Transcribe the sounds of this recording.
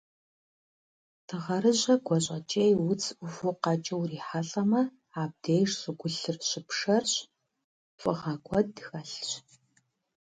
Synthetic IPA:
tʰɨʁɐɾɨʑɐɡʷɔɕʼɐt͡ʃʼejwʊt͡sʰʊfʊqɑt͡ʃʼɐwriːħaɬʼɐmɐ | aːb̚deːjrsʼɨɡʷʊɬɨrɕɪpʂɐrɕ | fʼɨʁɐɡʷʼɔdxɐɬɕ

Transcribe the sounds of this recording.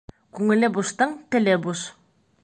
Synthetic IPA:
kʉŋɘ̆lɘbust̪ɤɴt̪ɘ̆lɘbus

